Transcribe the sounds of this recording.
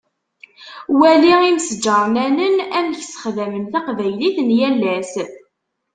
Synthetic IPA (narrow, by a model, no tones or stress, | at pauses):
wæliʁimsəd͡ʒːəɾˤnænənæmçsə̥χðæmənθæqvæjliθnjælːæs